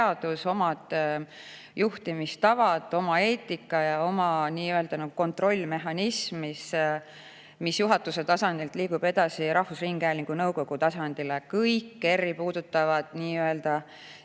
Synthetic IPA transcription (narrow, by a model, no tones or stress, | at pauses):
ɑd̪uso̞mɑd̪̥ | juht̪imist̪ɑvɑt̪ːˑo̞mɑe̞ːt̪ːˑikːˑɑjɑo̞mɑniːø̞ld̪̥ɑnɑɡ̥uko̞nt̪ro̞lʲːme̞ɦɑnismis | misjuɦɑt̪ːˑuse̞t̪ɑsɑnd̪ilt̪liːɡub̥e̞d̪ɑsiɾɑhfusriːŋɡ̥æːliŋɡ̥unɤwko̞ɡ̥ut̪ɑsɑnd̪̥ilekɤjkːe̞rːipuːd̪̥ut̪ːˑɑvɑd̪̥niːø̞ld̪̥ɑ